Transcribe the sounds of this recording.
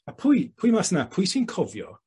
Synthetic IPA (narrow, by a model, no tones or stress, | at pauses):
apʰʊjpʰʊːjmasnapʰʊjsinkʰɔvjɔ̰